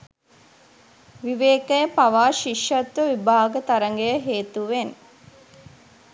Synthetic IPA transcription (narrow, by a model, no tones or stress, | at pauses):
ʋiʋeːkəjəpaʋaːʃiʃɐt̪ʋəʋibaːɡət̪aɾəŋɡejəɦeːt̪uʋen